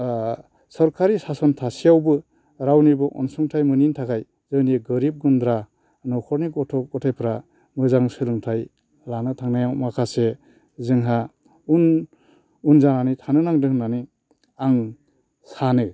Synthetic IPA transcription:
sɔɾkʰaɾisasɔntʰasijawbɯ | ɾawnibɯʔɔ̰nsɯŋtʰajmɯnintʰakʰaj | zɯniɡɯɾib̚ɡund̪ɾa | nɔkʰɔɾniɡɔtʰɔk̚ɡɔtʰajpʰɾa | mɯzaŋsɯlɯŋtʰaj | lanɯtʰaŋnajawmakʰase | zɯŋɦa | un | unzaŋanitʰanɯnaŋdɯhnani | aŋ | sanɯ

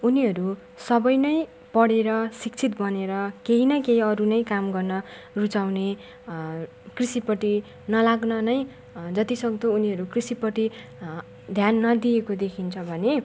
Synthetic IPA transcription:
uniɦʌɾu | sʌbʌjnʌj | pʌɽeɾʌsik̚t͡sʰit̪̚bʌneɾʌkeɦinʌkeɦiʌɾunʌjkamɡʌrnʌ | rut͡sawne | krisipʌʈi | nʌlaɡnʌnʌj | d͡zʌt̪isʌɡ̚d̪ʌuniɦʌɾukrisipʌʈi | d̪ʱjanːʌd̪iekod̪ekʰint͡sʰʌbʱʌne

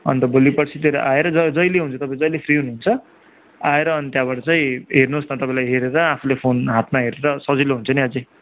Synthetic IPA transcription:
ʌ̰nt̪ʌbolipʌʈt͡sʰit̪jeɾʌʔaeɾʌd͡zʌd͡zʌjleɦunt͡sʰʌt̪ʌpãĩd͡zʌjlepʰriɦunɦunt͡sʰʌ | aeɾʌːnit̪jaβaʈʌt͡sʌĩɦernosnʌt̪ʌpãĩlajɦeɾeɾʌapʰulepʰonɦat̪̚maɦeɾeɾʌsʌd͡ziloɦunt͡sʰʌniɦʌd͡zi

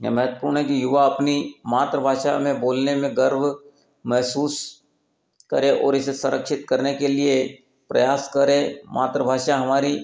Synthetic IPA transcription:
mɛɦət̪wəpuːɾɳkijʊʋaɐpnimaːt̪ɾəbʱaːʃa̰mẽboːlnemẽɡəɾb | mɛɦsuːs | kɐ̰ɾeʔɔ̰ːɾɪsesʊɾəkʃɪt̪kɐɾnekelie | pɾɐjaːskɐɾẽmʔa̰ːt̪ɾəbʱaːʃaɦɐmaːɾi

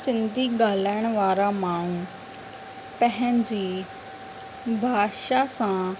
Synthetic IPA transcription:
sɪ̃nd̪ʱiɡaːlaɪəɽ̃ʋaːɾamãːɳũ | pɐɦɪ̃ɲd͡ʑiː | bʱaːʃasã

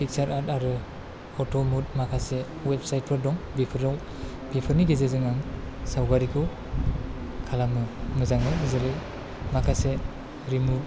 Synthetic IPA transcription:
pʰik̚saɾataɾɯ | ɔtʰomut̚makʰase | wepsajt̚pʰɯɾdɔŋbipʰɯɾaw | bipʰɯɾniɡezezɯŋaŋsawɡaɾikʰɯw | kʰalamɯmɯzaŋmɯɯzeɾɯ | makʰase | ɾimu

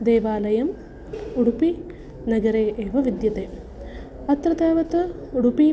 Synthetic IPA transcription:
d̪eːʋaːlɐjɐm | uɽupi | nɐɡɐɾeːʔeːʋɐʋid̪jɐt̪eː | ɐt̪ɾɐt̪eːʋɐt̪ɨuɽupi

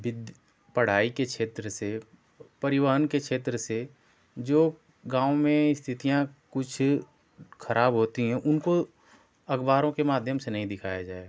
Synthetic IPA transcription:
ʋɪd̪ | pɐɽ̤aːikekʃeːt̪ɾəse | pɐɾɪʋaːɦənkekʃʰeːt̪ɾəse | d͡ʒoː | ɡãːomẽɪst̪ʰɪt̪ijãkʊt͡ʃʰ | xɐɾʔaːbɦoːt̪iɦɛ̃ʔʊnko | ɐɡbaːɾõkemaːd̪ʱjəmsenɐɦĩd̪ɪkʰa̰ːjad͡ʒaːeɡ

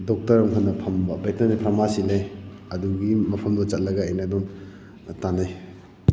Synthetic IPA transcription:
dok̚tɐɾɐmkʰɐnːɐpʰɐmbɐbek̚nanipʰɾɐmasilej | ɐduɡimɐpʰɐmdɐt͡ʃɐt̚lɐɡɐːjnɐdɔm | tanaj

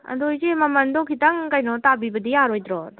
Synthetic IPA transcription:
ɐ̰dojzemɐmɐndɔkʰitaŋkajnɔtabibɐdijaɾɔjdɾɔd

